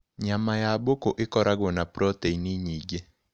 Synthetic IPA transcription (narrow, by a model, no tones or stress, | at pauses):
ɲamajabokoʔɪkɔɾʔaɡonapɾoteiniɲiɡe